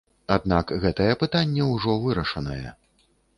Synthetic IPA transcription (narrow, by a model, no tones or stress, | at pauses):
ad̪nakɣɛt̪ɐjɛpɨt̪anʲːɛwʐɔvɨɾɐʂɐnɐjɛ̰